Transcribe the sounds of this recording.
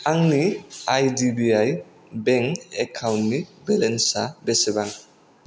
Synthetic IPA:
aŋniajdibiaj | bɛŋɛkʰawnːibɛlɛnsabɛsɛbaŋ

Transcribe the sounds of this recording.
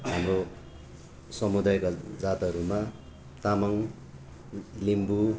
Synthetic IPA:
ɦamɾo | sʌmud̪ajkad͡zat̪ʌɾuma | t̪amʌŋ | limbu

